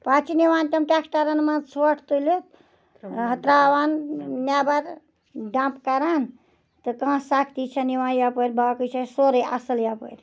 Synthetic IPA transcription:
pat͡ʃʰiniwaːnt̪ɐmʈʲaksʈaɾənmãt͡sʰoʈʰt̪ulut̪̚ | ɦət̪ɾawannjabɐɾ | ɖãmpkaɾaːn | t̪ɨkãːsakʰt̪it͡ʃʰɐniwãːnjapəɾbʱakɨt͡ʃʰasoɾəja̰səljapə̰ɾ

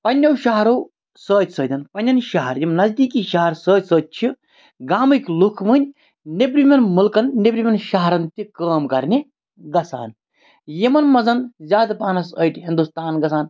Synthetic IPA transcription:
pɐnʲːɐwʃɐɦɐɾoː | səːt̪ʲsəːd̪ɐnpɐnʲːɐnʃɐɦɐɾjimnɐzd̪iːkiʃɐɦɐɾsəːt̪ʲsəːt̪̚t͡ʃʰi | ɡaːmɨkʲlukʰmɨnʲ | nebɾimʲɐnmulkɐnːibɾimʲɐnʃɐɦɐɾɐnt̪ikəːmkɐɾnʲe | ɡɐsa̰ːn | jimɐnmɐzɐnzʲaːd̪paːnɐsəjʈɦind̪ust̪aːnɡɐsaːn

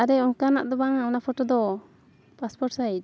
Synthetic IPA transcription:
aɾɛɔŋkanaʔd̪ɔbaŋaɔnapʰɔʈɔd̪ɔ | paspɔʈsajd

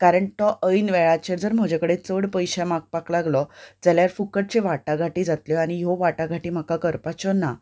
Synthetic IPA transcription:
kaɾəɳt̪ɔʔəjnʋɛɭat͡ɕeɾd͡zəɾm̤əd͡ʑekəɽet͡səɽpəjɕɛmak̚paklaɡlɔd͡zaljaɾfukəʈ̚t͡ɕeʋaʈaɡʱaʈiːd͡zat̪ljɔaɽ̃ijɔʋaʈaɡʱaʈiːm̤akakəɾpat͡ɕɔna

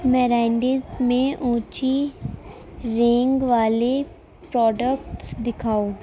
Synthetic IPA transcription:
mɛːɾaːɪɳɖizmẽʔũːt͡ʃi | ɾẽːŋɡʋaːle | pɾɔːɖəkʈsd̪ɪkʰaːo

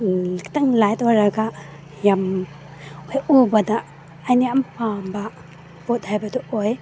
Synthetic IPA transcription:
lik̚taŋlajt̚waɾaɡa | jam | ojubɐdaː | jniampʰamba | b̥ot̚hajbɐduʔoj

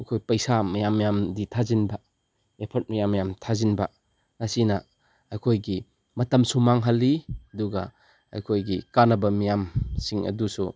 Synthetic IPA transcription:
ɐjkʰojpɐjsamɐjamːijamditʰazinbɐ | epʰɐt̚mɐjamːɐjamtʰazinbɐ | ŋasinɐː | jkʰojɡi | mɐtɐmsumaŋɦɐlːiɐduɡɐ | a̰jkʰojɡikanɐbɐmijamsiŋɐ̰dusu

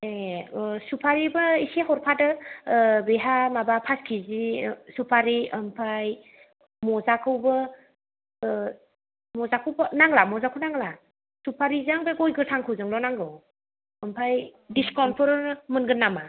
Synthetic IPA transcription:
esupʰaɾibɯiseɦɔɾpʰadɯ | beɦamabapʰaskʰizisupʰaɾiəmpʰaj | mɔzakʰɯwbɯ | mɔzakʰɯwbənaŋlamɔzakʰɯwnaŋla | supʰaɾizaŋbeɡɔjɡɯtʰaŋkʰɯwzɯŋlɔnaŋɡɯw | əmpʰajdiskɔnpʰɯɾɾmɯnɡɯnːama

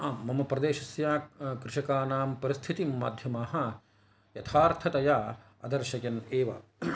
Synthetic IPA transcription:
aːmːɐmɐpɾɐd̪eːʃɐsjaːkɾɪʃɐkaːnaːmpɐɾist̪ʰit̪imma̰ːd̪ʱjɐmaːɦɐ̆ | jɐt̪ʰaːɾt̪ʰɐt̪ɐjaː | ɐ̰d̪ɐɾʃɐkɐneːʋɐ̰

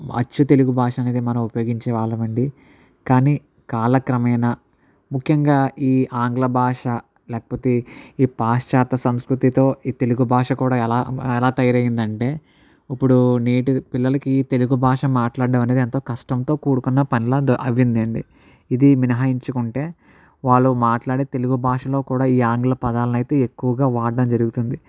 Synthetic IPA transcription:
ɐ̰t͡ʃːut̪e̞luɡubʱaːʂɐɐne̞ːd̪imɐnɐmupɐjoːɡiɲt͡ʃɛːʋaːɭːɐʋɐɳɖi | kaːniː | kaːlɐkɾɐmɐjnɐ | mukʰjɐŋɡaːiːʔaːŋɡlɐbʱaːʂɐ | lɛːkɐ̥poːt̪eiːpaːst͡ʃaːt̪ɐsɐmskɾut̪it̪o̞ːiːt̪e̞luɡubʱaːʂɐkuːɽaːɛlaːɛlaːt̪ɐjɐɾɐjind̪ɐɳʈe̞ː | ipːuɽuneːʈipilːɐlɐkit̪e̞luɡubʱaːʂɐmːaːʈlaːɖɖɐmɐneːd̪ent̪o̞ːkɐʂʈɐnt̪o̞ːkuːɽukunːɐpɐnilɐʔɐʋind̪eɳɖi | id̪iminɐɦaːjiɲt͡ʃukuɳʈe̞ː | ʋaːɭːumaːʈlaːɽeːt̪e̞luɡubʱaːʂɐlo̞ːkuːɽaːiːaːŋɡlɐpɐd̪aːlɐnɐjt̪e̞ːekːuʋɐɡaːʋaːɖːɐmd͡ʒɐɾuɡut̪und̪i

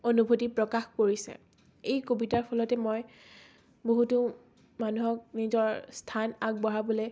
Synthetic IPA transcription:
onubʱotipɹɔkaxpoɹisɛ̰ | ejkobitaɹpʰɔlɔtɛmɔj | boɦutu | manuɦɔk̚nizɔɹstʰanak̚bɔɦabolɛ

